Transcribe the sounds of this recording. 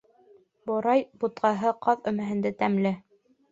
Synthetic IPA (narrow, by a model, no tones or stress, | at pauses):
bŏɾɑjbut̪̚qɑɦɤqɑðɵ̆mɘ̆ɦɘ̆nd̪ɘt̪æmlɘ